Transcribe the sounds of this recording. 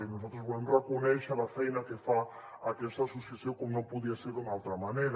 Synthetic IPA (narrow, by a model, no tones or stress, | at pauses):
enosat̪ɾozβolemrekonɛʃalafɛjnakefa | akɛst̪asusesjokomnõmpuðiaseɾdunalt̪ɾamaneɾ